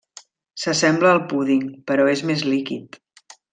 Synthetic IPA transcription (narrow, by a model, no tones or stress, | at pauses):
səsɛmbləːlˠpuðiŋpəɾɔezmezlikḭt̪